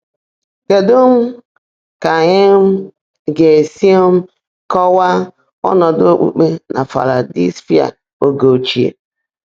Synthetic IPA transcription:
ke˨do˦m̩˦ | ka˨ɲe˦m̩˦ | ɡe˨si˦o˦m̩˦ | kɔ˦wa˦ | ɔ̰˦nɔ˨do˦k͡pṵ˦k͡pe˦nʔa̰˨fa̰˨ɾa˨dḭ˦sfi˦a̰˨ | o˦ɡo˨t͡ʃi˨ḛ˨

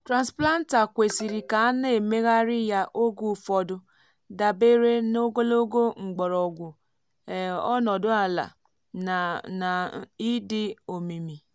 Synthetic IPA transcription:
tɾã˨nspla˦n̩˦ta˨kʷe˨si˨ɾi˨ka˨a˦ne˦˨me˦ɣa˦ɾɪ˦ja˦ʔo˦ɡu˦˨fɔ˦dʊ˦ | da˨be˦ɾe˦no˦ɡo˦lo˦ɡo˦ŋ͡m̩˨ɡ͡bɔ˨ɾɔ˨ɡʷʊ˨ | ɔ̰˦nɔ˨dʊ˦a˨la̰˨ | na˨i˦dɪ˦o˨mi˨mi˨

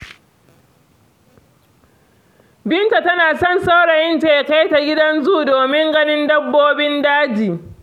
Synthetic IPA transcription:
bɪ˦nta˨tɐ˦naː˨sɔ˦˨nsa˦wɽɐ˨jɪ˦nteː˨ja˨ka˦jta˨ɡʲɪ˦dɐ˦nzuː˦˨doː˨mɪ˦ŋɡɐ˦nɪ˦ndɐ˦bːoː˦bɪ˦ndaː˦d͡ʒiː˨

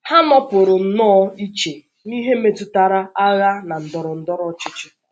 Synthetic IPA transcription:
ha˦nɔ˦pʊ˨ɾʊ˨n̩˦nɔː˦i˦t͡ʃe˨ | ni˦ɦe˦me˨tʊ˦ta˨ɾa˦a˦ɣa˦na˨n̩˨dɔ˨ɾʊ˨n̩˨dɔ˦ɾɔ˦t͡ʃɪ˦t͡ʃɪ˦

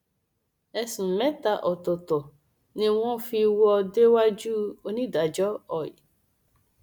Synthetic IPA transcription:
ɛ˧sũ˨mɛ̃˨˦ta˧ʔɔ˨tɔ˨tɔ˨ | nĩ˧w̃ɔ̃˦fi˧wɔ˦ɔ˧de˦wa˦d͡ʒu˦o˧nĩ˦˨da˨d͡ʒɔ˦ɔ˨ḭ˨

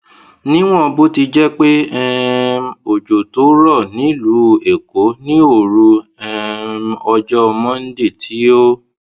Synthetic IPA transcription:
nĩ˦w̃ɔ̃˦˧bo˦ti˧d͡ʒɛ˦k͡pe˦ɛ˦ | o˨d͡ʒo˨to˨˦ɾɔ˦˨nĩ˨˦lu˨˦e˨ko˨˦nĩ˦o˦˨ɾu˧ɛ˦ɔ˧d͡ʒɔ˦ɔ˧mɔ̃˦n̩˦de˦˨tʰi˨˦o˦

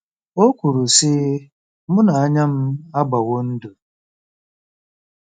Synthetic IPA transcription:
o˦ku˨ɾu˨sɪ˦ | mʊ˦na˨a˦ɲa˦m̩˦a˦ɡ͡ba˨wo˦n̩˦du˨

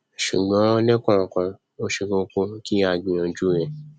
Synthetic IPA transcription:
ʃu˨ɡ͡bã˨˦nɛ˦kʷã˦˨kã˧ | o˦ʃi˧ɡõ˧˦kõ˧˦ki˦a˧ɡĩ˧ã˧d͡ʒu˦ɛ̃˨

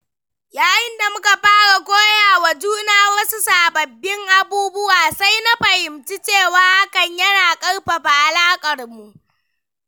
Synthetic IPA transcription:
jaː˨jɪ˦nda˨mʊ˦ka˨ɸaː˦ɽa˨ɡʷoː˦jaː˨wɐ˨d͡ʒuː˦naː˦wɐ˦su˦saː˨bɐ˨bːɪ˦ŋʔa˦buː˦bʊ˦waː˨sa˦jna˦ɸɐ˨hɪ˨mt͡ʃi˦t͡ʃeː˦˨waː˦ʔa˦kɐ˨ɲjɐ˦naː˨kʼɐ˦rɸa˨ɸa˨ʔa˨laː˦kʼɐ˨rmu˨ʔ

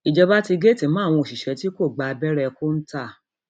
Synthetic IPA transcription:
i˨d͡ʒɛ˧ba˦ti˧ɡe˦˨ti˨˦mã˦˨w̃ɔ̃˧o˨ʃi˨ʃɛ˨˦ti˦ko˦˨ɡ͡ba˧bɛ˦ɾɛ˧ko˦n̩˦ta˦˨

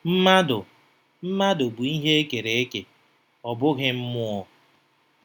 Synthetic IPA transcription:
m̩˦ma˦dʊ˨ | m̩˦ma˦dʊ˨bu˨i˦ɦe˦e˦ke˨ɾe˨e˦ke˨ | ɔ˨bʊ˦ɣɪ˦m̩˦mʊ˦ɔ˦˨

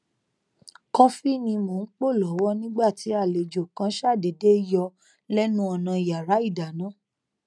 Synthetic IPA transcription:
kɔ̃˧fi˦nĩ˧mo˨n̩˦k͡po˦˨lɔ˨˦wɔ˦nĩ˦ɡ͡ba˦˨ti˨˦a˦˨le˨d͡ʒo˨kã˨˦ʃa˦˨de˨de˦jɔ˧ | lɛ˦nũ˦ɔ˧nã˧i˨ja˨ɾa˨˦i˦˨da˨nã˨˦˨

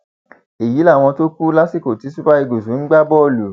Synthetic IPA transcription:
e˨ji˨˦la˦˨w̃ɔ̃˧to˦ku˦la˦si˦˨ko˨ti˨˦su˦ba˦i˧ɡo˨sũ˨˦ŋ̩˦ɡ͡ba˦bɔ˦˨lu˨

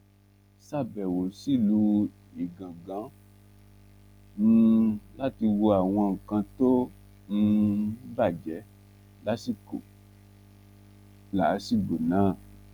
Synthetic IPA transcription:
sa˦˨bɛ˨wo˨si˦˨lu˧˦ | i˨ɡã˨ɡã˨˦ | nũ˧la˦ti˧wo˧a˨w̃ɔ̃˧ŋ̩˨kã˧to˦ | ñ̩˧i˦ba˦˨d͡ʒɛ˨˦ | la˦si˦˨ko̰˨ | laː˨˦si˦˨ɡ͡bo˨nãː˨˦˨

